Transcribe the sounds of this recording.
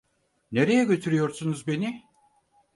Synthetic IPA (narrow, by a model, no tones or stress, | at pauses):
ne̞ɾe̞jɛɟʲø̞t̪ʰyɾyjo̞ɾsunuzbe̞ni